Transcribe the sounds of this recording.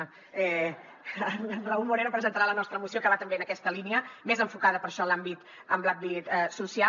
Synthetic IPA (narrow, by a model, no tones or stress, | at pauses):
ɛ | raumuɾeɾəpɾəzənt̪əɾalənɔst̪ɾəmusiokəβat̪əmbeənəkɛst̪əliniəmezəɱfukaðəpəɾʃɔlambit̪ | əmblak̚bit̪susia